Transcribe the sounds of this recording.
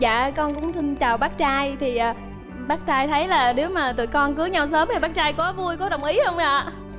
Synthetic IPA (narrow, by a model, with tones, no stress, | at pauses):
za̰ː˧˨kɔ˧nkʊ̰˧˥ŋ͡msi˧nt͡ɕaː˨˩wɓaː˦˥k̚t͡ɕaː˧jt̪ʰi˨˩ʔəː˨˩ | ɓaː˦˥k̚t͡ɕaː˧jt̪ʰə˨˦jlaː˨˩ne˨˦wmaː˨˩t̪ṵ˧˨jkɔ˧nkɨ˨˦əɲa˧wsəː˨˦mt̪ʰi˨˩ɓa˦˥k̚t͡ɕaː˧jkɔ˨˦vu˧əjkɔ˨˦ɗə˨˩wŋ͡mʔi˨˦hə˧wŋ͡mʔa̰ː˧˨